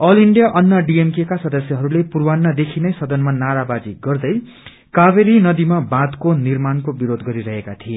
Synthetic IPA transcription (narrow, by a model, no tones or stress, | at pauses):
ʌliɳɖijʌʔʌnːʌɖiemkekasʌd̪ʌsjʌɦʌɾulepurwanːʌd̪ekʰinʌjsʌd̪ʌnmanaɾabad͡ziɡʌrd̪ʌj | kaβeɾinʌd̪imabãd̪konirmankobiɾod̪ɡʌɾiɾʌɦekat̪ʰie